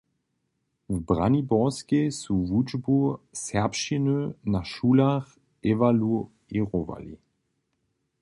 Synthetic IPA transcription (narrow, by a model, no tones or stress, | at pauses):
vbʁa̰nibɔskesuvud͡ʒbusɛɐpʃinønaʃuːlaχ | evalu | eʁova̰lḭ